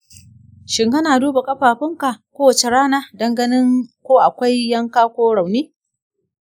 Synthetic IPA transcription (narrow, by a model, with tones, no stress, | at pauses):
ʃɪ˨ŋɡɐ˦naː˨duː˦ba˨kʼɐ˦ɸaː˨ɸɪ˦ŋka˨kʷoː˦wɐ˨t͡ʃe˦ɽaː˦naː˦dɐ˦ŋɡɐ˦nɪ˦ŋkʷoː˦ʔa˨kʷa˦jːɐ˦ŋkaː˦kʷoː˦ɽa˨wneː˦